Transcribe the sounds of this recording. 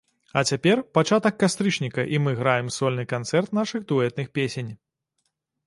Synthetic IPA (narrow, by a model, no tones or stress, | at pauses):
ɐt͡sʲapʲɛrpat͡ʂat̪ɐkːast̪ɾɨt͡ʂnʲikɐʔimɨɣɾajɛmsɔlʲnɨkant̪sɛrt̪̚naʂɨxd̪uɛt̪nɨxpʲesʲenʲ